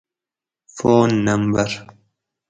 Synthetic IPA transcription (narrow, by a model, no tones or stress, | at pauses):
foːnːɐmbɐɾ